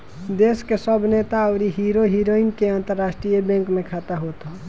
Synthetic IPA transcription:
d̪eːskesəbʱnet̪aəːɾiɦiɾoɦiɾoiŋɡkeãnt̪əɾːaːsʈɾijəbɛ̃ŋkmẽkʰat̪aɦot̪ɦo

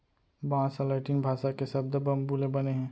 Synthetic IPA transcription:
bɐɦãsəlaɪʈɪnbʱaːʃakesɐb̚d̪əbəmbuːlebɐneɦɛ̃ː

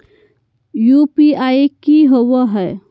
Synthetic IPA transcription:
jupiaikiɦowəɦɛ

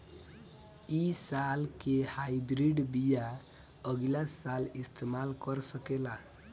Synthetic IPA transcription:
isalkehaibɾiɖbija | əɡlasːalist̪ʰemalkəɾsəkela

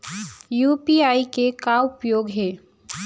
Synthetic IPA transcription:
juːpiaːikekaʊpjoːɡɦɛː

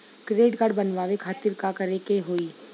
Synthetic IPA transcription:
kɾeːɖkaːɖbɐnʋaːʋekʰaːt̪ɪɾkakɐɾekeɦoːiː

